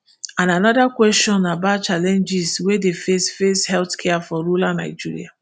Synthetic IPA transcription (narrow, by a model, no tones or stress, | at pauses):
ãnanɔdakwɛstɔ̃nabat̚t͡ʃalɛ̃nd͡ʒiswedefesfeshɛltkʰɛafɔɹulana̰ɪd͡ʒiɹḭa